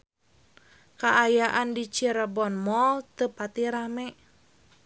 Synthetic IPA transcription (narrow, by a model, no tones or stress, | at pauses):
kaʔajaʔandit͡ʃiɾabɔnmɔlt̪əpat̪iɾamɛʔ